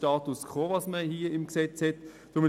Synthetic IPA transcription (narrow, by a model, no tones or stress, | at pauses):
tɑːt̪uskχoːʋɑsməhiːəɪmksɛt͡shɛt | d̥ʊmɪ